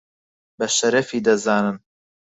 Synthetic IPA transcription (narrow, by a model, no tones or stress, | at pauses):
bɐʃɐɾɐfiːd̪ɐzaːnɨm